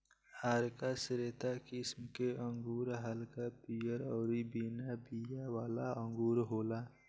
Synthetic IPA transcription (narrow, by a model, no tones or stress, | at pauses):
haːɾkasɾeːt̪akɪsmkeʔəŋɡuːɾɦəlkapijəɾɔːɾibinabijawaːlaə̃ŋɡuːɾɦoːla